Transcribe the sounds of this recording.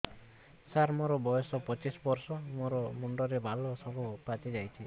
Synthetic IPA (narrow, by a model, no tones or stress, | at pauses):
saɾmoɾɔbɔjɔsɔpɔt͡ʃisɔbɔɾsɔmoɾɔmuɳɖɔɾebʱalɔsɔbʱupat͡ʃed͡ʒajt͡ʃʰi